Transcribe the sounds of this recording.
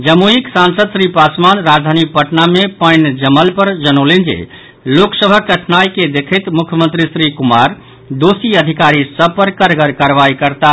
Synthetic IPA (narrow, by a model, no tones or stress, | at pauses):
d͡ʒəmuiksansəd̪sɾipasmanɾad͡ʒd̪ʱanipəʈnamepəjnd͡ʒəməlpəɾd͡ʒənolend͡ʒḛ | loksəbʱəkɾəʈʰnajked̪ekʰət̪mukʰjəmə̃nt̪ɾisɾikumaɾ | d̪osiəd̪ʱikaɾisəb̚ʱpəɾkəɾɡəɾkaɾʋaikəɾt̪a